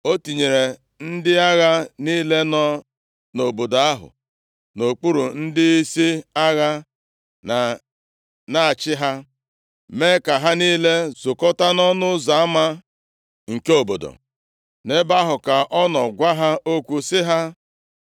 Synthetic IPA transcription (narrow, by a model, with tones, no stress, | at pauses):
o˦ti˨ɲe˨ɾe˨ | n̩˦dɪ˦a˦ɣa˦niː˦le˦nɔ˦ | no˨bo˨do˨a˦ɦʊ̰˨ | no˨k͡pu˦ɾu˨n̩˦dɪ˦i˦si˦a˦ɣa˦˨ | na˦a˨t͡ʃɪ˦ɦa˦ | me˦ka˨ɦa˦niː˦le˦zʊ˨kɔ˦ta˦nɔ˦nʊ˦za˨a˦ma˦ | ŋ̩˨ke˦o˨bo˨do̰˨ | ne˦ba˦ɦʊ˨ka˨ʔɔ˦nɔ˨ɡʷa˦ɦa˦ʔo˦kʷu˦sɪ˦ɦa˦